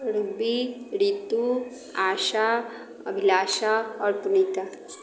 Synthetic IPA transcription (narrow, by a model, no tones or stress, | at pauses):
ɾubiɾit̪u | aʃa | bʱilaʃaɔɾpunit̪a